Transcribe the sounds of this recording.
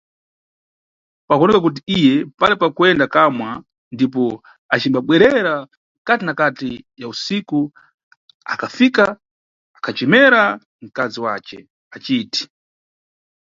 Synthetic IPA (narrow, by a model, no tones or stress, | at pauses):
pakuɔnɛkakut̬iijɛpalɛpakuɛndakamwa | ndipɔ | at͡ʃimbaɓwɛɾɛɾa | katinakatijausiku | a̰kʰafika | akʰat͡ʃɛmɛɾa | ŋ̩kaziwa̰t͡ʃɛ̰ | at͡ʃiːti̥